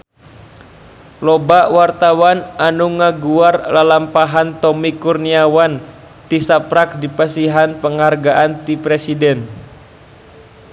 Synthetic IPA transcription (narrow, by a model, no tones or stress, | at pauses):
lɔbaʔwart̪awananuŋaɡuarlalampaɦant̪ɔmikurniawan | t̪isapɾak̚dipasiɦanpəŋharɡaʔant̪ipɾɛsidɛn